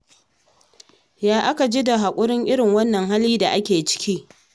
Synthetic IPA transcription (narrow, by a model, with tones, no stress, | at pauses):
jaː˦ʔa˦ka˨d͡ʒiː˦da˨ɦa˨kʷʼʊ˦ɽɪ˦ŋʔɪ˦ɽɪ˨ŋwɐ˦nːɐ˨ŋɦa˦lːiː˦da˨ʔa˦kʲeː˨t͡ʃɪ̥˦kʲʰiː˦